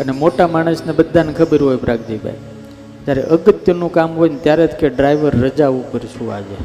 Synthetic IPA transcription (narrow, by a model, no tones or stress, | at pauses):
ənemoʈamaɽ̃əsnebəd̪ʱːanekʰəbəɾɦojbɾaɡ̚d͡ʒibʱa̰j | d͡ʒjaɾeʔəɡət̪jənũkamɦojnet̪jaɾet̪ʰkeɖɾajʋəɾːəd͡ʒaʋũkəɾʃũa̰d͡ʒe